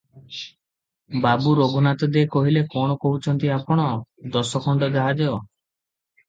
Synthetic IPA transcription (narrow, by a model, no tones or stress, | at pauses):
babuɾoɡunat̪ɔd̪ekɔɦilekɔɽ̃ɔkoɦut͡ʃʰɔnt̪iapɔɽ̃ɔd̪ɔsɔkʰɔɳɖɔd͡ʒaɦad͡ʒɔ